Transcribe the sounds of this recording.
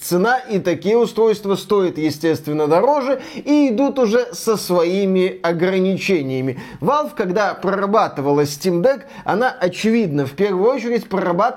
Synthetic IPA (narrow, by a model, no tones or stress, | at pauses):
t̪sɨnaʔit̪ɐkʲijəʊst̪ɾo̞jst̪vəst̪o̞ɪt̪jɪsʲtʲe̞st̪vʲɪnːəd̪ɐɾo̞ʐɨiɪd̪ut̪ʊʐɛsəsvɐimʲɪɐɡɾənʲɪt͡ɕenʲɪjəmʲɪvalˠfkɐɡd̪apɾəɾɐbat̪ɨvəlˠəsʲtʲimd̪ɛk | ɐ̰naʔɐt͡ɕɪvʲid̪nəfpʲe̞rvʊjʊot͡ɕɪɾʲɪtʲpɾəɾɐba